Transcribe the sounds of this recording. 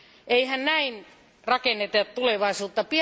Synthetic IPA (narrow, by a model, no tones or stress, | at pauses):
ʔeihænnæin | rɑkenːet̪ett̪uleʋɑisuːt̪ːɑpi